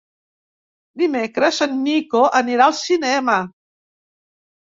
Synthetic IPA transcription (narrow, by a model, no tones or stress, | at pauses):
d̪imekɾəsənːikoʔəniɾalˠsinɛmə